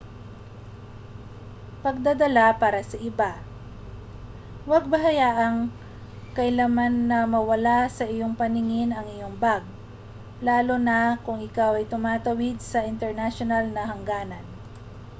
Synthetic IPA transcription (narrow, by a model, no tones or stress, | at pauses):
pɐɡ̚d̪ad̪ɐlapaːɾɐsɐʔɪba | wɐɡ̚bɐɦɐjaːʔɐŋ | kɐʔɪlamanːɐmɐwɐlasɐʔɪjoŋpɐnɪŋɪnɐŋɪjo̞ŋbaɡ̚ | laːlonɐkʊŋʔɪkawɐjt̪ʊmaːt̪ɐwɪd̪̚sɐʔɪnt̪ɛɹnaʃonalnɐɦɐŋɡaːnɐn